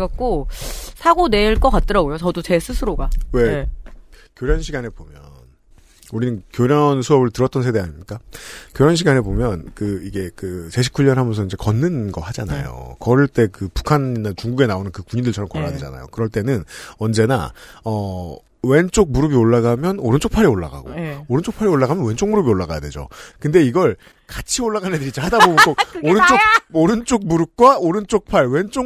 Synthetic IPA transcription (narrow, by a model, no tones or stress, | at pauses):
ɡak͈osʰaɡone̞ɭk͈ʌk͈at̚t͈ɯɾaɡojot͡ɕʌdot͡ɕe̞sʰɯsʰɯɾoɡawe̞ | kjoɾjʌnɕʰiɡanɦe̞bomjʌn | uɾinɯnkjoɾjʌnsʰuʌbɯɭtɯɾʌt͈ʌnsʰe̞de̞aɲimɲik͈akjoɾjʌnɕʰiɡanɦe̞bomjʌnkɯiɡe̞kɯt͡ɕe̞ɕ̬ʰi̥kʰuʎːʌnɦamjʌnsʰʌind͡ʑe̞kʌnːɯnɡʌhad͡ʑana̰jo̰kʌɾɯɭt͈e̞kɯpu̥kʰaninːat͡ɕuŋɡuɡe̞naonɯnkɯkuɲindɯɭt͡ɕʰʌɾʌmkʌɾadwed͡ʑa̰na̰jo̰kɯɾʌɭt͈e̞nɯnʌnd͡ʑe̞na̰ʌ | we̞nt͡ɕ͈ok̚muɾɯbioɭːaɡamjʌnoɾɯnt͡ɕ͈okpʰaɾioɭːa̰ɡa̰ɡo̰oɾɯnt͡ɕ͈ok̚pʰaɾioɭːaɣamjʌnwe̞nt͡ɕ͈ok̚muɾɯbioɭːaɡajadwe̞d͡ʑo̰kɯnde̞iɡʌɭ | kat͡ɕʰioɭːaɡanedɯɾit͡ɕ͈ahadabomɯnk͈ok̚oɾɯnt͡ɕ͈ok̚oɾɯnt͡ɕ͈ok̚muɾɯp̚k͈waoɾɯnt͡ɕ͈ok̚pʰaɭwe̞nt͡ɕ͈o